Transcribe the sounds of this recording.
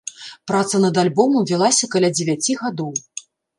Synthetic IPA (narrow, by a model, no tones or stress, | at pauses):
pɾat̪sɐnɐd̪alʲbɔmuvʲilˠasʲɐkɐlʲad͡zʲɛvʲat͡sʲiɣad̪ɔw